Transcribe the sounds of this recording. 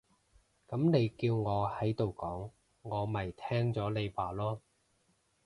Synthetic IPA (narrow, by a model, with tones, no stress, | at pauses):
kɐ˨˥mne˨˧jkiː˧wŋɔː˨˧hɐ˨˥jt̪o˨wkɔː˨˥ŋː | ɔː˨˧mɐ˨jt̪ʰɛː˥ŋt͡sɔː˨˥le˨˧jwaː˨˩lɔː˥